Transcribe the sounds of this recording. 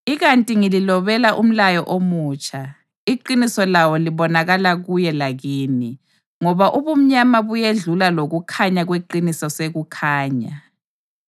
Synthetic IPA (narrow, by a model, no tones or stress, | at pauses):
iɣantʼiŋililɔβɛlaʔum̩lajɔʔomuːt͡ʃʰʼa | iǃinisɔlawɔliβɔnaɣalaɣujɛlaɣiːni | ŋɔβaʔuβum̩ɲamaβujeɮulaloɣukʰaɲaɣweǃinisɔseɣukʰaːɲa